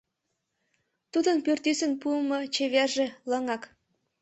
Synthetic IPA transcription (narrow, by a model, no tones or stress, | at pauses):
t̪ud̪ənpyrt̪ysə̆npuəmɤt͡ɕeβerʒĕlɤŋɑk